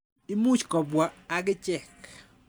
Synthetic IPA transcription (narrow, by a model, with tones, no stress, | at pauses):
i˦mu˦t͡ʃkɔ˨bwa˨a˦ɡɪ˦t͡ʃɛ˨k